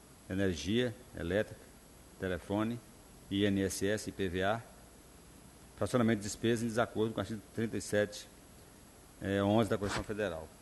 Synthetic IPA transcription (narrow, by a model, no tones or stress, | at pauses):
eneɾʒiɐḛlɛt̪ɾikɐ̥ | t̪elefõnɪ | iẽniɛsɛsɪpevea | fɾasiõnamẽt̪ːd͡ʒɪspezɐẽd͡ʒɪzakoɾd̪ʊkõasĩt̪ɾĩnt̪ɐisɛt͡ʃɪ̥ | ɛõzɪd̪ɐkomisɐ̃w̃fed̪eɾa̰w